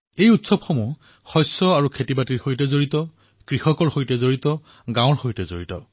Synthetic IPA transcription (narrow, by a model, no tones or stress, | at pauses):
ejutsɔb̚xɔmu | xɔjsːɔaɹukʰetibatiɹhojtɛzoɹitɔ | kɹihɔkɔɹhojtɛzoɹitɔ | ɡãw̃ɹhojtɛzo̰ɹitɔ̰